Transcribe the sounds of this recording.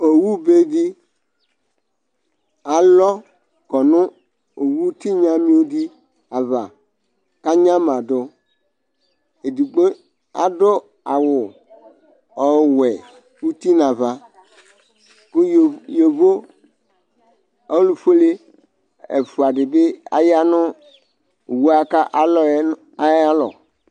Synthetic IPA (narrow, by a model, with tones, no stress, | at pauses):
o˨wu˦be˦di˦ | a˨lɔ˦ | ɡ̥ɔ˨nʊ̃˦ | o˨wu˦t̪i˦ɲã˦mĩ˦wo˦di˦ | a˨va˨ | ka˦ɲã˦mã˨do˦ | e˨di˨ɡ͡be˦ | a̰˨do˦ | a˨wʊ˨ | ɔ˦wɛ˨ | wu˦t̪i˦nã˨va˨ | kʊ˦˨jo˨vo˦ | ɔ˦lu˨fe˦le˦ | ḛ˨fu˨a˨ɖɪ˨be˦a̰˨ja˦nʊ̃˦˨ | wu˦a˦ka˦ʔa˨lɔ˨˦a˨˦a˦lɔ̰˨